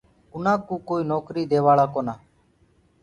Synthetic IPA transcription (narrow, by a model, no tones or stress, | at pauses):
ʊnãːkuːkoːiːnoːkɾiːd̪eːʋaːɭaːkoːnaː